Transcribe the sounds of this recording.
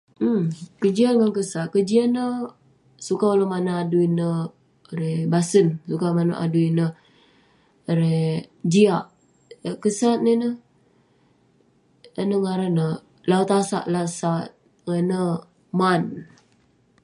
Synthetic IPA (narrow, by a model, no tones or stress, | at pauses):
m̩kəd͡ʒianŋankəsaʔ̪̚kəd͡ʒianːə | sukaulamanaaduinə | ɾebasənsukamanaʔa̰duinə | əɾed͡ʒiaʔ | əkəsat̪̚ninə | ənəŋaɾanə | laut̪asa̰ʔlasat̪̚ | ŋənə | man